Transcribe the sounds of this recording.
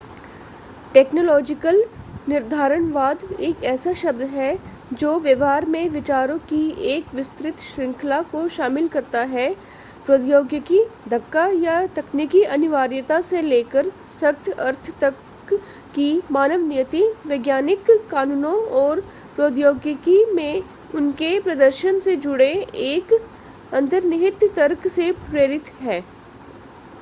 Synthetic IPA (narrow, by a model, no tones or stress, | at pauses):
ʈɛːknoːlɔːd͡ʒɪkəlnɪɾd̪ʱaːɾəɽʋaːd̪eːkɛːsaʃɐbd̪ɦɛ | d͡ʒoːʋjəʋɦaːɾmẽʋɪt͡ʃaːɾõkieːkʋɪst̪ɾɪt̪ʃɾɪ̃ŋkʰlakoʃaːmɪlkɐɾt̪aɦɛ | pɾoːd̪joːɡjəkid̪ʱɐkːajat̪ɐkniːkiʔɐnɪʋaːɾjət̪aseleːkəɾ | sɐkt̪ʰɐɾt̪ʰt̪ɐkː | imaːnəʋnɪjət̪iʋeːɡjaːnɪkːaːnuːnõɔːɾ | pɾoːd̪joːɡjəkimẽ | ʊnkepɾɐd̪əɾʃənsed͡ʒʊɽeeːk | ɐ̃nt̪əɾnɪɦɪt̪t̪əɾksepɾeːɾɪt̪ɦɛː